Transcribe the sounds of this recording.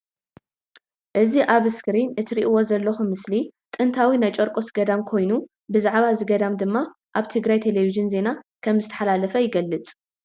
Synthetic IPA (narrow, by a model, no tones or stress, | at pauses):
ʔɨziʔaβɨskɾinɨt̪ʰɾiʔwo̞zɐlːɐxumɨslit̪ʼɨnt̪ʰawinajt͡ʃʼoɾkʼo̞sɡɐd̪amkʰo̞jnu | bɨzaʕβazɨɡɐd̪amd̪ɨmːa | ʔaβt̪ʰɨɡɾajt̪ʰe̞leviʒɨnze̞nakʰɐmzɨt̪ʰɐ̥ħalalɐfɐjɪɡɐlːɨt͡sʼ